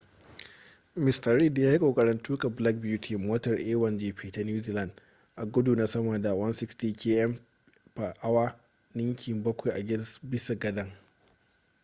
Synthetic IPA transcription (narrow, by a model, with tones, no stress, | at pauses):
mɪ˨stɐ˨ɾi˦djaː˦hi˦kʷʼoː˨kʼɐ˨ɾɐ˨ntʰuː˦ka˨bla˦k̚bjuː˦tʰiː˨moː˦tɐ˨rʔeː˦wɐ˨nd͡ʒiː˦˨ɸiː˨ta˦njuː˦ziː˨la˨nd | ʔa˨ɡʷʊ˦du˨na˦sɐ˦ma˨da˨wɐ˦nsɪ˦kstiː˨kʲʰeː˦ʔɛ˦m | pa˨ʔa˦waː˦ | nɪ˦ŋkʲʰɪ˨mbɐ˦kʷa˨jʔa˨ɡʲɛ˦nsbɪ˦sa˨ɡɐ˦dɐ˦ŋ